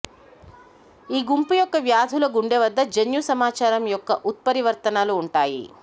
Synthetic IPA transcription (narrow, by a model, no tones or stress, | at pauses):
iːɡumpujɔkːɐʋjaːd̪ʱulɐɡuɳɖeʋɐd̪ːɐd͡ʒenjusɐmaːt͡ʃaːɾɐmjɔkːɐʔut̪̚pɐɾiʋɐɾt̪ɐnaːluːɳʈaːjḭ